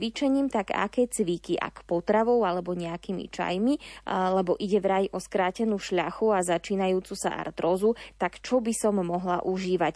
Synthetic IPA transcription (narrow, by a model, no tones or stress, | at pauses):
ʋit͡ʃɛɲiːmt̪aɡa̰kɛːt͡sʋikiʔa̰kpɔt̪ɾaʋɔʊalɛbɔɲɛakimḭt͡ʃa̰jmilɛbɔʔiɟɛʋɾajʔɔskɾaːcɛnuːʃʎaxuazat͡ʃiːnajuːt͡susa̰ʔa̰ɾt̪ɾɔzut̪akt͡ʃɔbisɔmːɔɦla̰ʔuʒiːʋac